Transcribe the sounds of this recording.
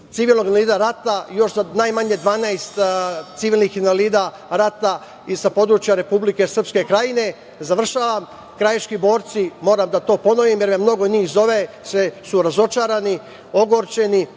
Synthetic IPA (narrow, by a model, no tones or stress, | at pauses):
t̪siʋiːlno̞ɡanaliːd̪aɾat̪ajo̞ʃzanajmaɲed̪ʋaːnajst̪t̪siʋiːlnixinaliːd̪a | ɾat̪a | isapo̞d̪ɾut͡ʃjaɾe̞publike̞sr̩pske̞kɾajine̞ | zaʋr̩ʃaːʋam | kɾajet͡ʃkibo̞ːɾt̪simo̞ːɾamd̪at̪o̞ːpo̞no̞ʋimjeɾmamno̞ɡo̞niːzo̞ʋe | sesuɾazo̞t͡ʃaːɾani | o̞ɡo̞ɾt͡ʃe̞ni